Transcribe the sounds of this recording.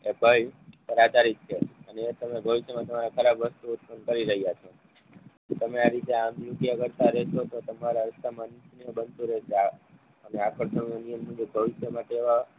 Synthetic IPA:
ebʱəjkəɾat͡ʃ̪aɾit̪̚t͡ʃʰeənet̪əmebʱəʋiʃjəmãt̪əmaɾakʰəɾabʋəst̪uut̪̚pənkəɾiɾəɦijat͡ʃʰo | t̪əmeaɾit̪eaənd̪ɾukjakəɾt̪aɾɛʃot̪ot̪əmaɾaɾəst̪ʰəmansnijobənt̪uɾɛɦʃea | əneakʰəɾsənanijəmːə̃d͡ʒobʱəʋiʃjəmaʈeeʋa

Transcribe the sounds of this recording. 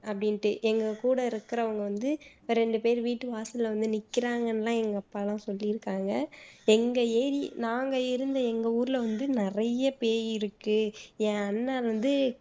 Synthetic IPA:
ɐpːɐɽɪnʈɯʔɛŋɡɐkuːɽɐɪɾɯkːɪɾɐʋɐŋɡɐʋɐnd̪ɯ | ɾɾɛɳɖɯpeːɾʋiːʈːɯʋaːsɐlɐʋɐnd̪ɯnɪkːɪɾaːŋɡɐnlãːɛŋɡɐpːɐlãsɔlːɪɪɾɯkːaːŋɡɐɛŋɡɐeːɾinaːŋɡɐɪɾɯnd̪ɐɛŋɡɐuːɾɪlɐʋɐnd̪ɯnɪɾɐjɐpeːjɪɾɯkːɯjɛ̃ɐnːaːlʋɐnd̪ɯ

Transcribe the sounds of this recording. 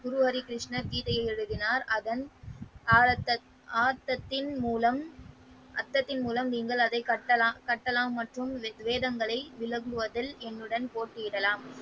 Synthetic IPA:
ɡʊɾɯɐɾikɪɾɪʂnɐɾk̪iːt̪ɐjɐɪɛɻɯðɪnaːɾɐðɐnː | ɐ | aːɾt̪ɐt̪ːɪnmuːlɐm | ʔɐt̪ːɐt̪ːɪnmuːlɐmniːŋɡɐɭɐðɐɪkɐʈːɐlakɐʈːɐlaːmːɐʈrɯmʋeːðɐŋɡɐɭɐɪʋɪlɐŋɡɯʋɐðɐlɛnːɯɽɐnpoːʈːɪjɪɽɐlaːm

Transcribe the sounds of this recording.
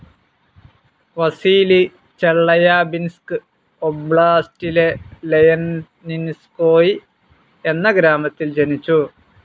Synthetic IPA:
ʋɐsiːli | t͡ɕeɭːɐjaːbinskɨ | obɭaːstile̞lejɐnː | inskoːji | e̞nːɐɡɾaːmɐt̪ːild͡ʑenit͡ɕːu

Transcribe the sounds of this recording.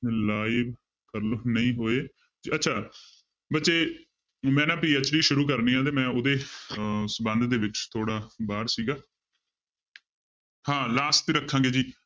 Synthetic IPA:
laːɪʋ | kəɾlonəĩːɦoːeː | d͡ʒiətːʃʰaː | bətːt͡ʃeː | mɛ̃ːnãːpiːət͡ʃɽiːʃʊɾuːk̬əɾniːãːt̪̬eːmɛ̃ːʊd̪eːsəbənd̪d̪eːʋɪt͡ʃt̪ʰoːɽaːbaːɾsiːɡaː | hãːlaːsiːɾəkʰːãːɡeːd͡ʒiː

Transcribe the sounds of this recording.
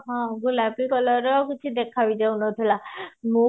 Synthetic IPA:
ɦɔ̃ɡulapikɔlɔɾɔkit͡ʃʰid̪ekʰabid͡ʒ̪awnɔt̪ʰilamũ

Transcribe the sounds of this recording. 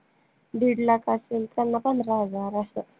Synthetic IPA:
ɖiɽlakaselt̪anːapanɾad͡zaɾasə

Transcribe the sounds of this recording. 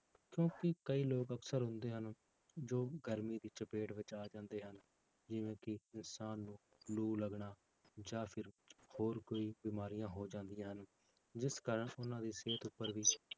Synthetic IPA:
kjõːkɪkəiːloːkəksəɾɦʊ̃nd̪eːɦən | d͡ʒoːɡəɾmiːd̪iːt͡ʃəpeːʈʋɪt͡ʃaːd͡ʒãːnd̪eːɦən | d͡ʒɪʋẽːkɪɪnsaːnːũː | luːləɡɳaː | d͡ʒaːpʰɪɾhoːɾkoːiːbiːmaːɾijãːɦoːd͡ʒãːnd̪ijãːɦən | d͡ʒɪskaːɾəɳʊnãːd̪iːseːt̪ʊpːəɾʋiː

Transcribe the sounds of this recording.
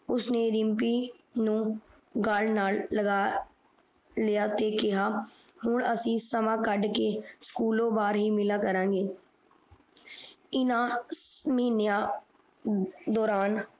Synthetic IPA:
ʊsneːɾɪmpiːnũː | ɡalnaːlːəɡaː | lijaːt̪ekɪɦaːhʊɳəsĩsəmãːkəɖkeskuːlõbaːɾɦiːmɪlaːkəɾãːɡeː | ɪnãːmɪnjaː | d̪ɔːɾaːn

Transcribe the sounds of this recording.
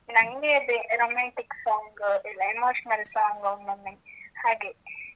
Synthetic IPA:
nɐŋɡeɐd̪eɾoːmãːɳʈiksɔːŋɡilːɐemoːʃnɐɾisaːŋɡɐŋnɐmːehaːɡeː

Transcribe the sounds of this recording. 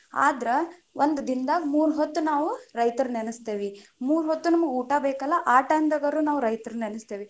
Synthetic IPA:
a̰ːd̪ɾeʋʔond̪ɐd̪ind̪ɐmuːɾuɦɔt̪ːunaːʋuɾɐjt̪ɐɾunenust̪eːʋimuːɾuɦɔt̪ːunɐmɐɡuːʈabeːkɐlːɐʔaːʈɐɐnd̪ɐɡɐɾuːnaːʋuɾɐjt̪ɐɾunenust̪eːʋi

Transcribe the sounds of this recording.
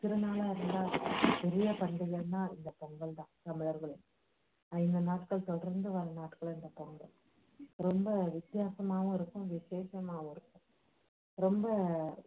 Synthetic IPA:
t̪ɪɾɯnaːlaːɪɾɯnd̪aːpɪɾɪjɐpɐɳɖɯɣɐnːaːɪnd̪ɐpɔŋɡɐɭd̪ãːsɐmɪlɐɾɣɐɭɯ | aɪnd̪ɐnaːʈkɐɭt̪ɔlɾɐnd̪ɯʋɐɾɐnaːʈkɐɭɪnd̪ɐpɔŋɡɐɭ | ɾɔmbɐʋɪt̪jaːsɐmaːʋɐ̃ɪɾɯkːʊ̃ʋɪseːʃɐmaːʋʊ̃ɪɾɯkːʊ̃ | ɾɔmbɐ

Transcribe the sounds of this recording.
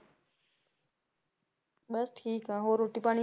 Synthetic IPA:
ɓəsʈʰiːkãːɦoːɾʊʈipaːɽ̃i

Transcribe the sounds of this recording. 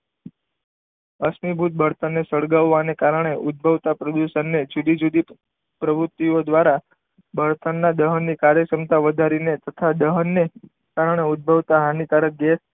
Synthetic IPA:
əsmibʱut̪̚bʱəɾt̪ənːesəɭɡaʋːanekaɾəɳ̃eʔʊd̪̚bʱəʋt̪apɾəd̪uʃənːed͡ʒud̪id͡ʒud̪i | pɾəbɾut̪ːiod̪ʋaɾa | bʱəɾt̪ənːad̪əɦənːikaɾjəkəmt̪aʋəd̪ʱaɾinet̪ət̪ʰad̪əɦənːe | kaɾəɳ̃eʊd̪̚bʱəʋt̪aɦanik̪aɾəɡɛs

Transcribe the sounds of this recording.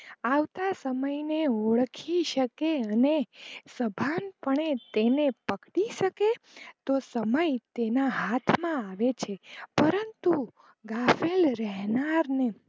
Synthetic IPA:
aʋt̪asəməjneoɭkʰiʃəkeənesəbʱanpəɳet̪enepəkɽiʃəke | t̪osəməjt̪enaɦat̪ʰmãaʋet͡ʃʰepəɾənt̪u | ɡafelɾɛɦnaɾne

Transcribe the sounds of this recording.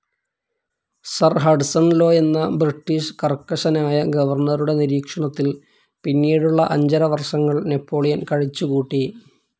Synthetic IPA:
sɐrɦɐɖsɐnlo̞ːe̞nːɐbriʈːiːʂkɐrkːɐʂɐnaːjɐɡɐʋɐrnɐɾuɽe̞niɾiːkʂɐɳɐt̪ːil | pinːiːɽuɭːɐʔɐɲd͡ʑɐɾɐʋɐrʂɐŋːɐɭne̞pʰːo̞ːɭijɐnkɐɻit͡ɕːukuːʈːi

